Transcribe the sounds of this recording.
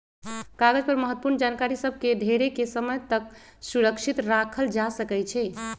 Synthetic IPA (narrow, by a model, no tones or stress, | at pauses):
kaɡəd͡ʒpəɾməɦət̪ːəpuɾnd͡ʒankaɾisəbʱkeɖ̪ʱeɾekesəməjt̪ək̚ | suɾəkʃʰit̪ɾakʰəld͡ʒasəkɛjt͡ʃʰɛ